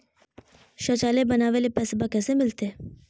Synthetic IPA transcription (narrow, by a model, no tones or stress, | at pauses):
ʃoːt͡ʃaːlebənaːʋelepɛːsbakɛːsemɪlt̪eː